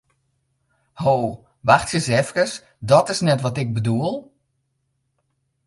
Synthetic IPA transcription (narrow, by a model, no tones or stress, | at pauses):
hoː | ʋaxtsjəsɛfkəs | dɔtɪsnɛtʋɔtɪk̚bəduəlˠ